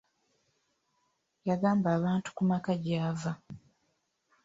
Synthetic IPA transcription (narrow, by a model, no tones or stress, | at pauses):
jaɡaːmbaːβaːntu̥kumakaɟaːva